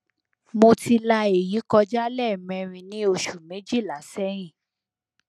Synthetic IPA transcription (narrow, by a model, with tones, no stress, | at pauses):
mo˧ti˧la˧e˨ji˨˦kɔ˧d͡ʒa˦lɛ˦˨mɛ̃˧ɾ̃ĩ˧nĩ˦o˧ʃu˨me˨˦d͡ʒi˦˨la˨˦sɛ˦ɾ̃ĩ˦˨